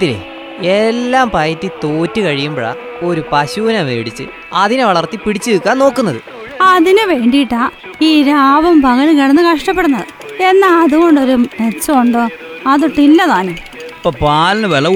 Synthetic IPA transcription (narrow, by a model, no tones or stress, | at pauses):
t̪ːilḛ | elːaːmpɐjɐtːit̪oːtːɨkɐɻijumbɐɭɐ̰ | o̞ɾupɐɕuːnɐʋḛːɽit͡ɕːɨ̰ | ɐðineʋɐɭɐrt̪ipiɽit͡ɕːɨikːaːnno̞ːkːunːɐðɨ | ɐðinɨʋeːɳɖijiʈːaː | iːɾaːʋɐmpɐɣɐlkiɽɐnːɨkɐʂʈɐpːe̞ɽunːɐðɨ | e̞nːaɐðuɣo̞ɳɖo̞ɾumet͡ɕːɐoɳɖɨɐðuʈːilːɐðaːnɨ | pːoːpaːlɐnɨʋelɐ